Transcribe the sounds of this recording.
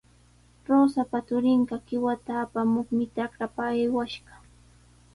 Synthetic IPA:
ɾoːsapat̪ʊɾɪɴɢɑkɪwat̪aːpamʊχmɪt̪akɾapaːjwaʃɢɑ̥

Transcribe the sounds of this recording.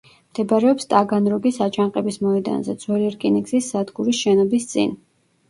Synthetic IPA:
md̪̥ɛbaɾɛɔpst̪ʼaɡanɾɔɡisat͡ʃʰaŋqʼɛbismɔɛd̪a̰nzɛd̪z̥wɛliɛɾkʼiniɡzisːad̪ɡuɾisʃɛnɔbist̪sʼḭn

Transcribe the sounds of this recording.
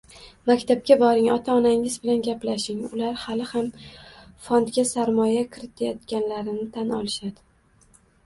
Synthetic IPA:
makʲt̪ʰap̚kʲabɒɾɪŋɒt̪ʰaɒnaŋɪzbɪlanɡʲaplaʃɪŋʊlaɾhalɪham | fɒnt̪ɡʲasaɾmɒjakʲʰɪɾɪt̪ʰajɒt̪kʲanlaɾɪnɪt̪ʰanɒlˠɪʃad̪ɪ

